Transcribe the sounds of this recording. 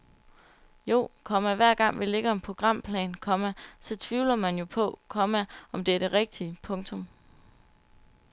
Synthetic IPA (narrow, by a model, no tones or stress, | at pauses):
jo̝̰ːkʰɒ̽mæʋæɐ̰ɡ̥ɑ̈ŋ̰ʋile̝ɡ̥əɒ̽mpʰo̝ɡ̥ʁɑ̈m̰pʰlɛ̰ːnkʰɒ̽mæsɒ̽t͡sʰʋiʊ̰lɐmænjo̝pʰɒ̽kʰɒ̽mæɒ̽md̥eæɐɾ̥e̝ʁeɡ̥̚d̥iəpʰɔ̽ŋt͡sʰɔ̽m